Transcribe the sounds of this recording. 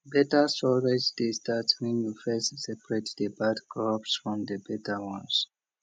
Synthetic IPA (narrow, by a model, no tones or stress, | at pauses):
bɛtəstɔɹed͡ʒdestatwɛ̃njufɛstsɛpɹɛtdəbadɡɹɔpsfɹɔ̃md̪əbɛtəwɔ̃ns